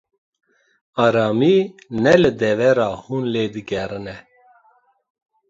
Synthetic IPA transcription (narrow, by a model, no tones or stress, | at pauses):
ɑːɾɑːmiːnɛlɨd̪ɛvɛɾɑːhuːnleːd̪ɨɡɛɾɨnɛ